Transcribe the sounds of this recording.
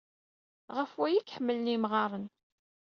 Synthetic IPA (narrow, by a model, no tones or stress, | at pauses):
ʁəfwæjikħəmːəlnimʁɑɾˤən